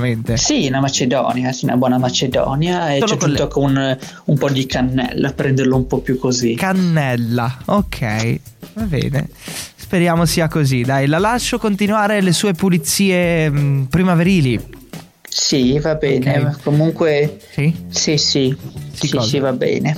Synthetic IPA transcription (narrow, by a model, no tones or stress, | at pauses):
ment̪esinamat͡ʃed̪ɔ̰njasɛna̰bwɔːnamat͡ʃed̪ɔ̰ːnjaeoːnɛk̪ut̪okun | umpɔd̪ikʰanːɛ̰lːapɾɛnd̪eɾloumpɔpjukːozikanːɛlːaokʰːɛ̰jvabɛ̰ːnḛspeɾjaːmosiːakozid̪ajlalaʃːokont̪inwaːɾelesuːepulit̪sːiːepɾimaveɾiːli | sivabɛːnekomuŋkwesisisisisisivabɛ̰ːne